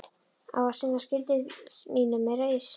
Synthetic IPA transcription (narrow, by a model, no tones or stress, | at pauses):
a̰wvasɪnascɪlt̪ɪðmiːnʏmɛɾaɪs